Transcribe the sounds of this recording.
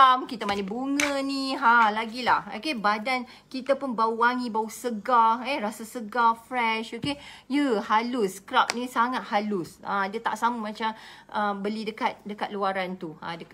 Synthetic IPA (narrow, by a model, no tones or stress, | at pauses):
amkit̪amanə̃buŋə̃niɦalaɡilaho̰kebadan | kit̪apunbauwaŋĩbausəɡaerasasəɡafɾɛʃokejəhalʊskɾap̚nĩsaŋat̪̚halusa̰dət̪a̰ʔsamumãt͡ʃamʔəbəlidəkat̪̚dəkat̪̚luaɾant̪uã̰də